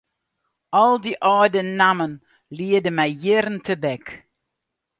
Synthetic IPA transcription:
ɔlˠdiʔɔːdənːamən | liːədəmajɪɾntʰəbɛk

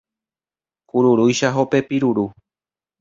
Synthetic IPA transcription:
kuɾuɾujʃaɦo̞pe̞piɾuɾu

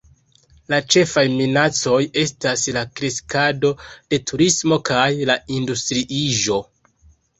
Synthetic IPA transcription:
lat͡ʃe̞fajminat͡so̞je̞staslakɾeskado̞d̥e̞tʰuɾismo̞kajlaindustɾiʔiʒo̞

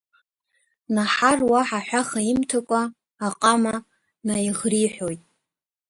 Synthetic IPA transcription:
naħarwaħaħʷᶣaχaimtʰakʷʼaː | qʼama | naiʁriħʷojtʼ

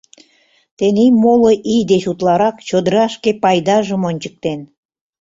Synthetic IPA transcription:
t̪enimoloʔijd̪et͡ɕut̪lɑɾɑkt͡ɕod̪əɾɑʃkepɑjd̪ɑʒəmonʲt͡ɕə̥k̚t̪en

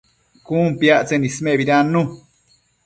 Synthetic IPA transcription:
kuːmpiaʔt͡senismeʔβiɾanːu

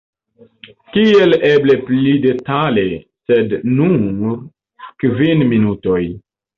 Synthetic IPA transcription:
kieleble̞plide̞talesednu | kvinminuto̞j

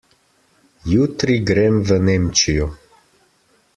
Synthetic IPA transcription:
juːt̪ɾiɡɾeːmvəneːmt͡ʃijɔ

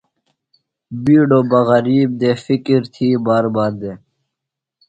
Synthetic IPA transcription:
biːɖoːbɐɣɐɾiːb̚d̪eːfikiɾt̪ʰiːbaːɾbaːɾd̪eː

